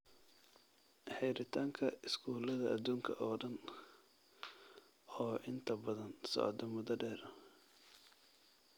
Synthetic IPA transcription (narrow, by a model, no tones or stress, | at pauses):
ħɛjɾɪt̪ʰaːŋkʰɐɪskʰuːlɐðɐʔɐd̪uːŋkʰɐ̰ʔɔːɖɐn | ɔːʔɪnt̪ʰɐbɐðɐnsɔ̰ʕd̪ɔmʊðɐɖɛːɾɐ